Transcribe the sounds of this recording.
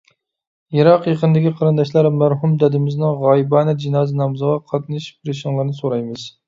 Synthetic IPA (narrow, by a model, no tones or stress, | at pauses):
iɾɑqjeqənd̪ɪkʲiqʰɑɾɨnd̪ɑʃlˠɑɾmæɾhumd̪ɛd̪ɪmɪznɨŋʁɑjibɑːnɛd͡ʒinɑːzɨnɑmzəʁɑqʰɑt̪̚nɨʃpʰɾɪʃɪŋlˠɨɾnɨsoɾɑjmɨz